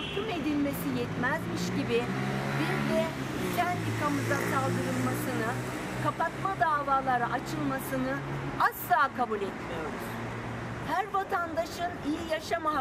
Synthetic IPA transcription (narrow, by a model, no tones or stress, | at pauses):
kʰɯme̞d̪ilʲme̞sijɛt̪mɛzmiʃɟibɪbiɾd̪ɛ | lʲænt̪ʰikʰamɯzansalˠd̪ɯɾɯlˠmasɯnɯ | kapat̪mad̪aːvaːlˠaɾaʔat͡ʃʰɯlˠmasɯnɯaslˠaːkʰabulʲɛt̪mijo̞ɾuz̥ | hæɾvat̪ʰand̪aʃɯnijijaʃama